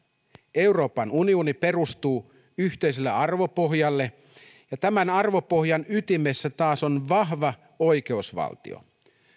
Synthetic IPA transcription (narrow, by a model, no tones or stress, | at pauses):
e̞uro̞ːpɑnunionipe̞rust̪uː | yçt̪e̞jselːeɑrʋo̞po̞ɦjɑlːe̞ | jɑt̪æmænɑrʋo̞po̞ɦjɑnyt̪ime̞sːæt̪ɑːso̞nʋɑɦʋɑ | ojk̟e̞usʋɑ̰lt̪ḭo̰